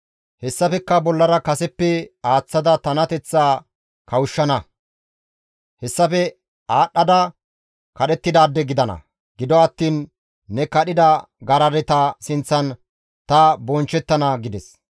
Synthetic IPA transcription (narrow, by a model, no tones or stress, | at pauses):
hɛsːɐfɛkːɐbɔlːɐɾɐkɐsɛpːɛaːt͡sːɐd̪ɐt̪ɐnɐt̪ɛt͡sːaː | kɐwʊʃːɐnɐ | hɛsːɐfɛ | aːɗːɐd̪ɐ | kɐɗɛt̪ːɪd̪aːd̪ːɛɡɪd̪ɐnɐ̰ | ɡɪd̪ɔɐt̪ːiːnː | ɛkɐɗɪd̪ɐ | ɡɐɾɐɾɛt̪ɐsɪnt͡sːɐn | t̪ɐbɔnt͡ʃːɛt̪ːɐnɐɡɪd̪ɛs